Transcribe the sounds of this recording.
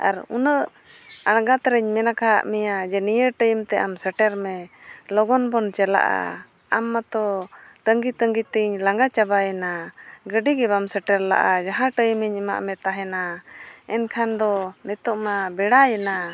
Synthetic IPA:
a̰ɾṵnəʔ | aɽ̃ɡat̪ɾəɲmɛnakaɦa̰ʔmɛjad͡ʒɛnijəʈəjəmt̪ɛʔamsəʈɛɾmɛlɔɡɔnbɔnt͡ʃɛla̰ʔa̰ | amːat̪ɔt̪əŋɡit̪əŋɡit̪iɲlaŋɡat͡ʃabajɛnaɡəɖiɡɛbamsəʈɛɾla̰ʔad͡ʒaɦãʈəjməɲima̰ʔmɛt̪aɦɛnaɛnkʰand̪ɔnɛt̪ɔʔmabɛɽajɛna

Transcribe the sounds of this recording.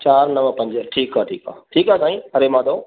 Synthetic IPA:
t͡ʃaːɾnəʋəpə̃ɲd͡ʒəɾʈʰiːkaːʈʰḭːka̰ːʈʰiːkaːsaːĩːɐɾeːmãːd̪oː

